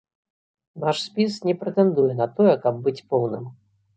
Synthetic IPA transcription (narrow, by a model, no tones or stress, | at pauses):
naʂsʲpʲis̬nʲɛpɾɛt̪ɛnd̪ujɛnɐt̪ɔjɛkɐb̚ːɨt͡sʲpɔwnɨm